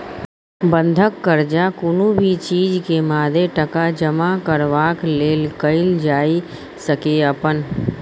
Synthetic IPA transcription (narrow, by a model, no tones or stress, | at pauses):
bə̃nd̪ʱəkːəɾd͡ʒakʊnubʱit͡ʃiːd͡ʒkemaːd̪ʱeʈəkad͡ʒəmakəɾʋaːkleːlkəɪld͡ʒaːi | səkeəpən